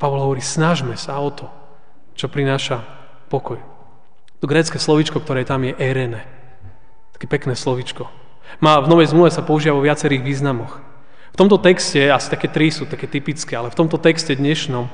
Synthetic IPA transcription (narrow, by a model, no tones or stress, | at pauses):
paʋɔlˠɦɔʋɔɾiːsnaʒmɛsaɔt̪ʰɔ | t͡ʃɔpɾinaːʃa | pɔkɔj | t̪ɔɡɾɛːt͡skɛːslɔʋit͡ʃkɔkt̪ɔɾɛːt̪amjɛʔɛɾɛnɛ | t̪ḁkɛːpɛknɛːslɔʋit͡ʃkɔ | maːvnɔʋɛjzmluʋɛsapɔuʒiːʋaʋɔʋɪat͡sɛɾiːɣʋiːznamɔx | ft̪ɔmt̪ɔt̪ɛkscɛasi̥t̪akɛːt̪ɾisut̪akɛːt̪ipit͡skɛːalɛft̪ɔmt̪ɔt̪ɛkscɛd̪ɲɛʃnɔm